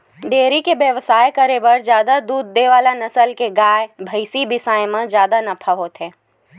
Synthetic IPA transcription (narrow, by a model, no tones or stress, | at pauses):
ɖeːɾikebjəʋsaːjkəɾebəɾd͡ʒjaːd̪ad̪uːd̪̚ːeʋaːlanɐsəlkeɡaːjbʱəɪsibɪsaːjmə̃d͡ʒjaːd̪anɐpʰaɦoːt̪ɦɛː